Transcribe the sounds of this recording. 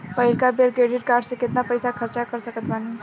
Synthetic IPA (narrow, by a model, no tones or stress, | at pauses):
pəɦilkabeɾɡeɖiʈ̚kaɾɖsə̃ket̪napəjsakʰəɾt͡ʃakəɾsəkət̪bani